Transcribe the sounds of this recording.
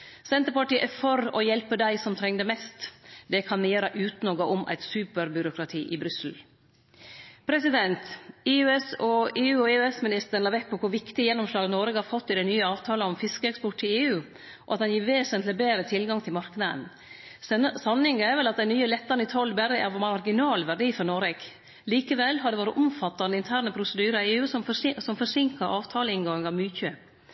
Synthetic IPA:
sɛnt̪əɾpɑʈiːəʔɛɾfɔɾɔjɛlpəd̪æɪsɔmt̪ʰɾɛŋd̪əmɛst̪d̪ɛkʰɑnmɪjeːɾɑʔʉːt̪nɔɡɑʔɔmʔæ̰ɪt̪sʉːpəɾbʏɾʊkʰɾɑt̪ʰiːʔɪbɾʏsl̩ | pʰɾɛsɪd̪ɛnt̪ɪʉɛsɔeːʉːɔeʉɛsmɪnɪst̪əɾəɳɑːɾʋɛk̚pʰɔkʰʊɾʋɪkt̪ɪjɛnːɔmʂlɑːɡənɔɾɡəhɑɾfɔt̪ːɪd̪æɪnyːəɑːʋt̪ʰɑːlɑɔmfɪskəɛkspɔʈʰːɪleːʉː | ʔɔ̰ɑt̪d̪ɛnjiːɾʋeːsənt̪lɪbeːɾət̪ʰɪlɡɑŋt̪ʰɪlmɑɾknɑd̪ə̰n | sɑnɪŋəæɾʋɛlɑt̪̚d̪ɛnyːəlɛt̪ːəɾnɪt̪ʰɔlːbæɾəɛ̰ɾmɑɾɡɪnɑːlʋæɖiːfɔɾnɔɾɛɡ̥ | liːkəʋɛlːɦɑd̪ɛʋoːɾəʔʊmfɑt̪ːɑnəɪnt̪ʰæːɾɳəpʰɾʊsəd̪yːɾɑeːʉːsmfɔsɔmfɔʂɪŋkɑɾʔɑːʋt̪ʰɑːləɪŋɡɑŋɑʋmyːçøː

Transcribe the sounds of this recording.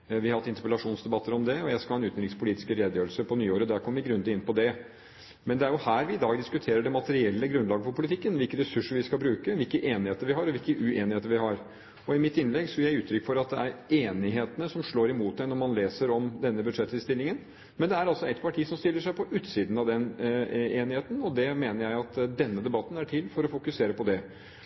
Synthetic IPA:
ʋɪhɑɾhɑt̪ːɪnt̪əpəlɑʂuːnsd̪ɛbɑt̪ːəɾɔmd̪ɛɔjæɪskɑlɑːɛnʉːt̪n̩ɾɪŋspʰʊliːt̪ɪskəɾeːd̪əjøːɾəlsəpʰɔnyːoːɾəd̪æɾkʰɔmːəʋɪɡɾʉnd̪ɪnːpɔd̪ɛ | mɛnd̪ɛæɾjʊhæːɾʋɪɪd̪ɑːɡd̪ɪskʉt̪ʰeːɾəɖɛmɑt̪əɾɪɛlːəɡɾʉnlɑːɡəfɔɾpʰʊlɪt̪ʰɪkːənʋɪlkənɾɛsʉʂəɾʋɪskɑbɾʉːkəʋɪlkəʔeːnɪheːt̪əɾʋɪɦɑɾɔʋɪlkəʔʉeːnɪheːt̪əɾʋɪhɑɾ | ɔɪmɪt̪ːɪnːlɛɡsɔjæɪʉːt̪ʰɾʏkːfɔɾɑt̪̚d̪ɛæɾeːnɪɦeːt̪ənəsɔmʂɭoːɾɪmuːt̪̚d̪ɛnɔmɑnleːsəɾɔmd̪ɛnːəbʉd̪ʂɛt̪ʰːɪlst̪ɪlːɪŋən | mɛnd̪ɛæɾɑlsɔɛt̪pʰɑʈʰiːsɔmst̪ɪlːəʂæɪpʰɔʔʉːt̪siːd̪n̩ɑʋd̪ɛneːnɪheːt̪n̩ɔd̪ɛmeːnəɾjæɪɑt̪d̪ɛnːəd̪ɛbɑt̪ːn̩æʈʰɪlːfɔɾɔfʊkʉseːɾəpɔd̪ɛ

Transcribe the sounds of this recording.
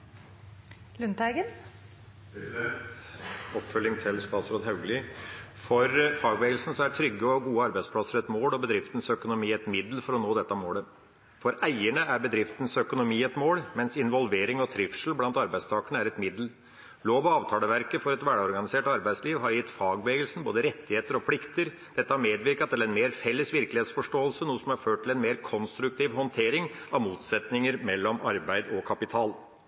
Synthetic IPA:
lʉnt̪æɪɡən | ɔpːfœlːɪŋt̪ʰɪlst̪ɑːt̪sɾoːd̪ɦɑʉɡəlifɔɾfɑːɡʋeːɡəlsn̩sɔæʈʰɾʏɡːəɔɡuːəɑɾbæɪspʰlɑsəɾɛt̪moːlɔbəd̪ɾɪft̪ən̩sœkʊnʊmiːɛt̪mɪd̪l̩fɔɾɔnoːd̪ɛt̪ːɑmoːlə | fɔɾʔæɪəɳəæɾbəd̪ɾɪft̪ən̩sœkʊnʊmiːɛt̪moːlmɛnsɪnʋɔlʋeːɾɪŋɔt̪ʰɾɪfʂl̩blɑnt̪ɑɾbæɪst̪ʰɑːkəɳəæɾɛt̪mɪd̪l̩ | loːʋɔɑːʋt̪ʰɑːləʋæɾkəfɔɾɛt̪ʋæɖɔɾɡɑnɪseːʈɑɾbæɪsliːʋɦɑɾjɪt̪ːfɑːɡbəeːɡəlsn̩boːd̪əɾɛt̪ːɪheːt̪əɾɔpʰlɪkt̪əɾ | d̪̥ɛt̪ːəɑmeːd̪ʋɪɾkɑt̪ɛɾɛnmeːɾfɛlːəsʋɪɾklɪeːt̪sfɔʂʈoːəlsənuːəsɔmɑɾføːʈʈʰːɪlɛnmeːɾkʰɔnst̪ɾʉk̚t̪ʰiːʋhɔnt̪ʰeːɾɪŋ | ɑʋmuːt̪sɛt̪nɪŋəɾmɛlːɔmɑɾbæɪd̪ɔkʰɑpɪt̪ʰɑːl

